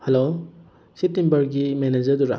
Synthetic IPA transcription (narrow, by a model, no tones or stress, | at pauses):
helo | sip̚timbɐɾɡimened͡ʒɐɾduɾa̰